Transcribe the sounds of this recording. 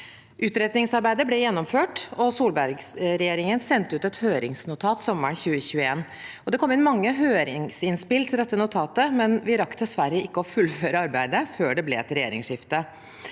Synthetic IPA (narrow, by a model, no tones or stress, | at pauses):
ʔʉːt̪ɾɛd̪nɪŋsɑɾbæɪd̪əɾblɛjɛnːɔmføːʈɔsuːlbæɾɡsɾɛjeːɾɪŋənsɛnt̪əʉːt̪ɛt̪høːɾɪŋsnʊt̪ʰɑːt̪sɔmːəɳçʉːəçʉːəeːn | ɔd̪ɛkʰɔmːɪnmɑŋːəɦøːɾɪŋsɪnspɪlt̪ʰɪld̪ɛt̪ːənʊt̪ʰɑːt̪əmɛnʋɪɾɑkːd̪ɛsʋæɾəɪkːəɔfʉlføːɾəɑɾbæɪd̪əføːɖɛblɛɛt̪ːɾɛjḛːɾɪ̰ŋʂɪft̪ə